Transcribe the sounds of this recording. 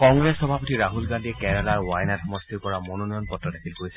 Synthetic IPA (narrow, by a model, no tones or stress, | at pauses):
kɔŋɡɹesxɔbʱapotiɹaɦulɡandiɛkɛɹalaɹwajnatxɔmɔstiɹpɔɹamonɔnɔjɔnpɔtɹɔtʰakʰilkoɹisɛ